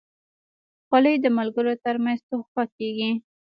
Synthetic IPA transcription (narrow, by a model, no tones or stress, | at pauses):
xaləjd̪əmalɡəɾot̪əɾmanzt̪oxɑkeɡi